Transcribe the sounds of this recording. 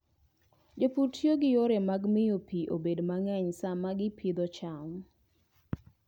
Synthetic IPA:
d͡ʒoputjoɡɪjoɾɛmaɡmɪjopiʔo̰bedmaŋɛɲsamaɡɪpʰid̪ɔt͡ʃam

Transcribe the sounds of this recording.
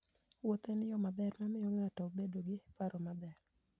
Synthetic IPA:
wot̪enɪjɔmabɛrmamɪjɔŋatɔbedoɡɪpaɾɔmabɛr

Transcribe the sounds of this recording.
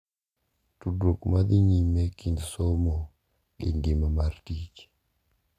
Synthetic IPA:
tudɾokmad̪iɲimekindsɔmɔ | ḭŋɡimamartik

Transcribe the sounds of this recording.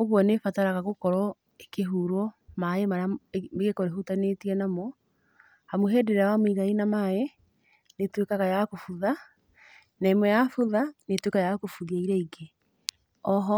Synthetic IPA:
oɣwɔnefataɾaɣaɣokɔɾɔ | ekeɦuɾɔmaemaɾameɣekɔɾeɦutanetiɛnamɔ | hamoɦɛdeɾeawamoiɣainamae | netwekaɣajakofuða | naemwɛjafuðanetwekajakofuðaiɾɛiɡe | ɔɦɔ

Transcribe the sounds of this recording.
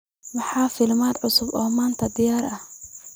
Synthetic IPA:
wɑħɑːfɪlmaːd̪ʕʊsʊbɔːmaːnt̪ʰɐd̪ɪjaːɾɐh

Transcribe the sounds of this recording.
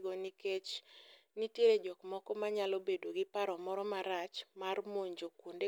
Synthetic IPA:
ɡɔniket͡ʃnitjeɾed͡ʒɔkmɔkɔmaɲalɔbedoɡɪpaɾɔmɔɾɔmaɾat͡ʃmarmoɲd͡ʒokwonde

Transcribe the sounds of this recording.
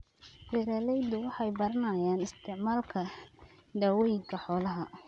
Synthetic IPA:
bɛɾalɛjd̪ʊwɑħɑjbɐɾɐnɐjaːnɪst̪ʰɪʕmaːlkʰɐ | d̪awɔjɪɡʰɐħɔːlɐɦɐ

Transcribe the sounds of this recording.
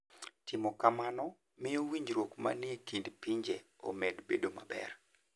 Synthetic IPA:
tɪmɔkamanɔ | mɪjowiɲd͡ʒɾwokma̰njekindpiɲd͡ʒeo̰medbedomabɛ̰r

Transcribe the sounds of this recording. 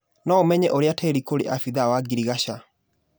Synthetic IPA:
nɔomɛɲɛʔoɾeatʰɛɾikoɾḛʔafiðawaɡiɾiɣaɕa

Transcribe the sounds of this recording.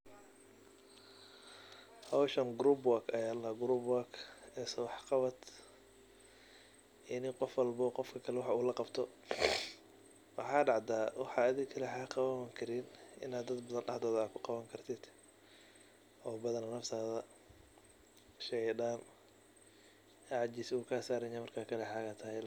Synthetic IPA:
hɐwʃɐnɡɾubwakʰɐjaːlɐɡɾubwakɛːsɐwɑħqɑβɐd̪ | ɪnɪqɔfwɑlbɔːqɔfkʰɐkʰɐlɛwɑħuːlɐqɑbt̪ʰɔ | wɑħɑːɖɑʕd̪aːwɑħɑɐðɪkʰɐlɐħaːqɑβɐŋkʰɐɾinʔɪ̰naːd̪ːɐd̪bɐðɐnɖɑħd̪ɔːð̚ːkʰʊqɑβɐŋkʰɐrt̪ʰɪd̪̥ | ʔɔːbɐðɐnɐnɐft̪ʰaːðɐ | ʃɛʕɪɖaːn | ʕɑd͡ʒisːkʰaːsaːɾɐɲamɐrkʰaːkʰɐlɛħaːɣɐt̪ʰɐhɛl

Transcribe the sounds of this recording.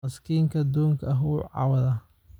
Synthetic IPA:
ɐskʰiːŋkʰɐd̪uːŋkʰɐɐɦuːʕɑ̰wɐðɐ

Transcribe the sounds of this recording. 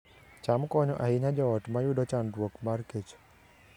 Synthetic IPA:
t͡ʃamkɔɲɔʔaɦɪɲad͡ʒɔɔtmajudɔt͡ʃandwokmarket͡ʃ

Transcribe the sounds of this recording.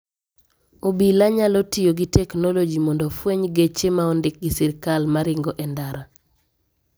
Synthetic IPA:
obilaɲalotɪjoɡitɛknɔlod͡ʒimɔndɔfweɲɡet͡ʃemaɔndɪk̚ɡisiɾkalmaɾɪŋɡɔʔɛndaɾa

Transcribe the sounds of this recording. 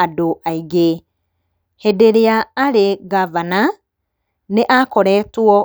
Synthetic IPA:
adoʔaiɣe | hɛdeɾeaːɾeɣavana | neʔakɔɾɛtwɔ

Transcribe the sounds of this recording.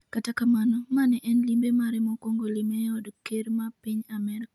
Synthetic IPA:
katakamanɔmanɛʔɛnlimbemaɾɛmɔkoŋɡolimɛɔdkeɾmapiɲamɛɾk

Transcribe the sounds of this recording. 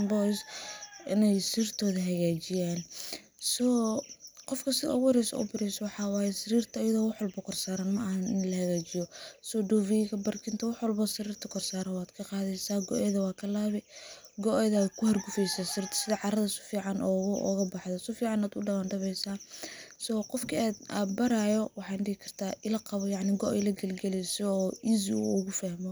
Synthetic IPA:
nbɔsʔɪ̰nɛjsɪrt̪ʰɔːðɐɦɐɣaːt͡ʃɪjaːn | sɔ | qɔfkʰɐsɪɔ̰ːɣʊhɾɛsɐ̰ʔʊ̰bɪɾɛjsɔwɑħɑːwaːjɛsɪɾiːrt̪ʰɐːjɐðɔːwɑħwɐlbɐkʰɔrsaːɾanmɐʔɐhɐnɪnlɐhɐɣaːt͡ʃɪjɔsɔɖɔːviɣɐbɐrkʰɪnt̪ʰɐwɑħwɐlbɐsɪɾiːrt̪ʰɐkʰɔrsaːɾɐnwaːd̪̥kʰɐqɑːðɛjsaːɡɔ̰ʔɛðɐwɑːkʰɐlaːβɪɡɔʔɛðaːkʰʊhɐrɡʊfɛjsast̪ʰsɪðɐʕɑɾɐðɐɪsʊ̥fiːʕɑnʔɔ̰ːɣʊɔ̰ɣɐbɑħðɔsɔfiːʕɑnaːd̪ʊɖɐmaːnɖɐβɛjsaːsɔːqɔfkʰiad̪aːd̪bɐɾaːjɔwɑħɑːɖɪhɪkʰɐrt̪ʰaːʔɪlɐqɑβɔjɑʕnɪɡɔʔɛlɐɡɐlɡɐlɛjsɔɔːiːziṵʊɣʊfaːhmɔ

